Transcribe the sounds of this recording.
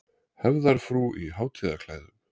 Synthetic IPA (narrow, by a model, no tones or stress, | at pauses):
hɛvðaɾ̥fɾuʔiɦaːwt̪ʰiːðakʰlaːjðʏm